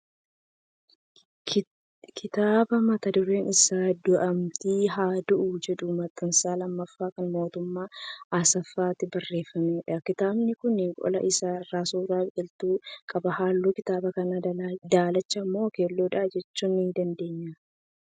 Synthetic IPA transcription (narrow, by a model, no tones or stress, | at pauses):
kʰɪt̪aːbɐmɐt̪ɐd̪ʊɾe̞ːnɪsaːd̪ʊʔɐmt̪iːɦaːd̪ʊʔud͡ʒɛᶑumɐt̪ːɐnsaːlɐmːɐfːaːkɐnmo̞ːt̪ʊmːaːʔasɐfːaːt̪ɪbɐrːe̞ːfːɐmeːᶑɐkɪt̪aːbnɪkʊnɪkʼɔ̰lɐ̰ʔɪsaːɪrːaːsuːraːbɛlt̪uːkʼɐbɐɦaːlːuːkɪt̪aːbɐkɐnad̪aːlɐt͡ʃːɐmːo̞ːkeːlːoːᶑaːd͡ʒɛt͡ʃːuːnːid̪ɐnd̪e̞ːɲːa